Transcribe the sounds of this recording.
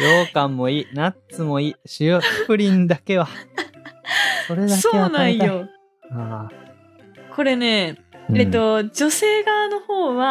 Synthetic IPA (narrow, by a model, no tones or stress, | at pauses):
joːkãmːo̞iːnatt͡sɨmo̞iːɕijoːɕi̥pɯ̟ɾʲĩnd̪ake̞βa | ko̞ɾe̞d̪aksoeanãĩjo | aː | kʰo̞ɾe̞ne̞et̪ːo̞d͡ʑo̞se̞ːɡano̞ho̞ːβa